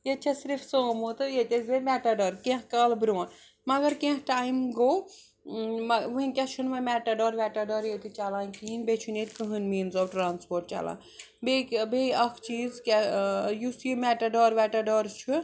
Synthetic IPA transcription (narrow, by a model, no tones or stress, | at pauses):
jet͡ʃʰɐsiɾfsoːmoːt̪ɨjet̪ʲezemʲɛʈɐɖɔːɾkẽɦkaːlbɾoːn | mɐɡɐɾkẽɦʈaːimɡoː | mɐʋɨɦinʲkʲat͡ʃʰunʋɐmʲɛʈɐɖɔːɾʋɛʈɐɖɔɾjet̪it͡ʃalaːnkiinbet͡ʃʰunet̪ʲkɨɦɨnmiːnzɔːbʈɾaːnspoːɾʈ̚t͡ʃa̰lã̰ː | bebeɐkʰt͡ʃiːzkʲajusjimʲɛʈɐɖɔːɾʋɛʈɐɖɔɾt͡ʃʰu